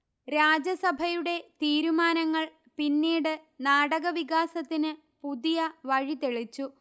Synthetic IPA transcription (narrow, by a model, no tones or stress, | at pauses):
ɾaːd͡ʑɐsɐbʱɐjuɽe̞t̪iːɾumaːnɐŋːɐɭ | pinːiːɽɨnaːɽɐɣɐʋiɣaːsɐt̪ːinɨ | puðijɐʋɐɻit̪eɭit͡ɕːu